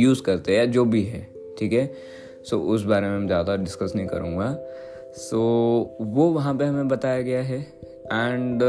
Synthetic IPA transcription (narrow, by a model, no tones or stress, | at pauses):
juːzkɐɾt̪eɦɛjad͡ʒoːbʱiɦɛː | ʈʰiːkɦɛ | soːʔʊs̬baːɾemẽɛ̃zjaːd̪aɖɪskəsnɐɦĩkɐ̰ɾũːŋɡaː | soːʋoʋɐɦãpeɦɐmẽbɐt̪aːjaɡɐjaɦɛ | ɛ̃ːɳɖ